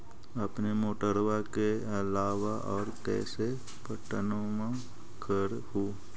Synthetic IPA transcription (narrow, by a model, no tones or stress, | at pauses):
əpnemoːʈəɾʋakeɐlaːʋaʔɔːɾkɛ̰ːse | pəʈənõmã | kʰəɾ | huː